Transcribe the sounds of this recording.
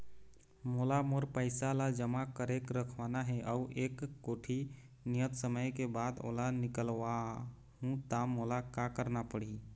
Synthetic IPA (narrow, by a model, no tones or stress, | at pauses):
moːlamoɾpəɪsalad͡ʒəmakəɾekɾəkʰʋanaɦɛʔəuʔeːkːoːʈʰi | nijət̪səməjkebaːd̪o̰ːlanɪkəlʋa | ɦũt̪amolakakəɾnapəɽi